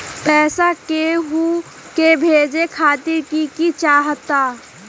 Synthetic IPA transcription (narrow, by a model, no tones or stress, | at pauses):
pɛːsakeɦu | kebʱeːd͡ʒekʰaːt̪ɪɾkikit͡ʃaːɦt̪aː